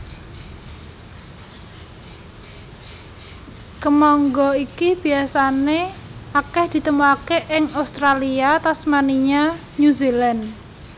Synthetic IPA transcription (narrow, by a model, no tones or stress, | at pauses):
kəmɔŋɡɔikib̥i̤asaneakɛhd̪̥i̤t̪əmuakeʔɪŋaust̪ɾaliat̪asmaniɲa | ɲuzilan